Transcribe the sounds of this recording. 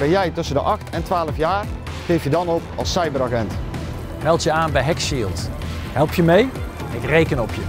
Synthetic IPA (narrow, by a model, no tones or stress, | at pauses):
bɛnjɛjtɵsəndəʔɑxtɛntʋaːləfjaːr | χejfjədɑnɔpɑ̰lˠsɑjbəɾaɣɛnt | mɛlˠtjəaːnbɛjɦɛkʃiːlˠt | ɦɛlˠpjəmej | ɪkrejkənɔpʰjə